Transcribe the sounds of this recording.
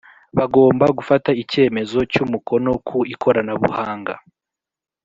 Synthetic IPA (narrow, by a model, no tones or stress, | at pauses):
βaɡo̞ːmbaɡufataice̞ːme̞zo̞cumuko̞no̞kʰuikʰo̞ɾanaβṵhaːŋɡa̰